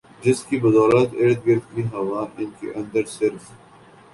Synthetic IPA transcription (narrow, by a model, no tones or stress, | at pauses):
d͡ʒɪskibɐd̪ɔːlət̪eːɽt̪̚ɡɐɾd̪̚kiɦɐʋaːnɪnkḛʔɐ̃nd̪əɾsɪɾf